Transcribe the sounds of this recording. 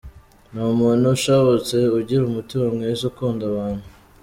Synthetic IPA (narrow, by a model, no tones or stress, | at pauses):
numuːn̤uʃaβot͡seuɟiɾumutimamŋesukuːndaβaːnhu